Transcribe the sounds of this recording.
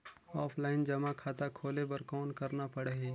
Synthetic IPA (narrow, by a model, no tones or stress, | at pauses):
ɔːpʰlaːɪnd͡ʒɐmakʰaːt̪akʰoːlebɐɾkɔːnkɐɾnapɐɽeɦi